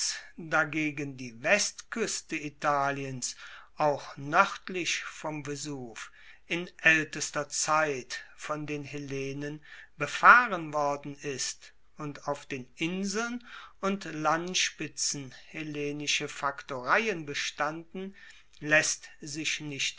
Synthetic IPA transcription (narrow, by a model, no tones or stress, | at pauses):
sd̥aɡeːɡəndiːvɛstkʰʏstəitaːliənsʔaʊxnœʁtlɪçfɔmbəzuːf | ʔɪnʔɛltəstɐt͡saɪtfɔndeːnhɪleːnənbəfaːʁənvɔɐdn̩ɪst | ʊntaʊfd̥eːnʔɪnzl̩nʊntlantʃpɪt͡sn̩heleːnɪʃəfaktoːʁaɪənbəʃtandn̩ | lɛstzɪʃnɪçt